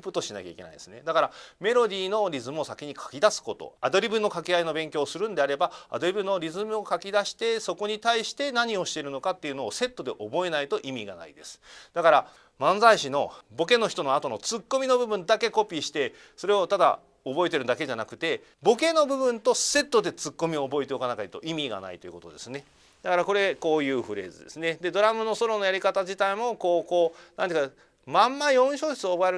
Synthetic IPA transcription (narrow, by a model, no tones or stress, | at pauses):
pɯt̪ːo̞ɕinakʲa̰ḭkʲe̞na̰id̪esɨne̞d̪akaɾame̞ɾo̞d̪ʲiːno̞ɾʲizɨmɯosakʲiɲ̟ikʰḁkʲid̪asɨ̥ko̞t̪o̰ad̪o̞ɾʲibɯnːo̞kakʲeaino̞bẽ̞ŋkʲo̞ːsɨɾɯ̟̃nd̪e̞aɾe̞baa̰d̪o̞ɾʲibɯ̟no̞ɾʲizɨmɯ̟o̞kakʲid̪aɕi̥t̪e̞so̞ko̞ɲ̟it̪aiɕi̥t̪e̞naɲ̟io̞ɕi̥t̪e̞ɾɯ̟no̞kat̪ːe̞iɯ̟no̞ːse̞t̪ːo̞d̪e̞ʔo̞bo̞e̞nait̪o̞ʔimʲiɡa̰na̰id̪e̞sɨ̥d̪akaɾa | mãñd͡zaiɕino̞bo̞ke̞no̞çi̥t̪o̞noat̪o̞no̞t͡sɨkːo̞mʲino̞bɯ̟bɯ̟̃nd̪ake̞ko̞pʲiːɕi̥t̪e̞ | so̞ɾe̞o̞t̪ad̪a̰ | obo̞e̞t̪e̞ɾɯ̟d̪ake̞ʑanakɯ̟t̪e̞ | bo̞ke̞no̞bɯ̟bɯ̟̃nt̪o̞se̞t̪ːo̞d̪e̞t͡sɨkːo̞mʲioːbo̞e̞t̪e̞okanakait̪o̞̰ʔimʲiɡa̰na̰it̪o̞jɯ̟ko̞t̪o̞̰d̪esɨne̞ | d̪̥akaɾako̞ɾe̞ko̞ːjɯ̟ːɸɯ̟ɾe̞ːzɨd̪e̞̰sɨne̞d̪e̞d̪o̞ɾamɯ̟no̞so̞ɾo̞no̞jaɾʲikat̪ad͡ʑit̪aimo̞ko̞ːkoːnant̪eɨ̟k | mãmːaõ̞ɰ̃ɕo̞ːɕe̥t͡sɨoːbo̞eɾ